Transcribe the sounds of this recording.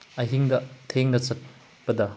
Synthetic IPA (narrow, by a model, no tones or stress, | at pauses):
ɐɦiŋdɐtʰeŋnɐt͡ʃɐt̚ | pɐdɐ